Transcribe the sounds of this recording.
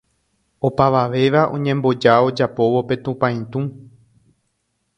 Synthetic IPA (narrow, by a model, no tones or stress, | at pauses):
o̞paʋaʋe̞ʋaʔõ̞̰ɲẽ̞mbo̞d͡ʒao̞d͡ʒapo̞ʋo̞pe̞t̪ũpãĩt̪ũ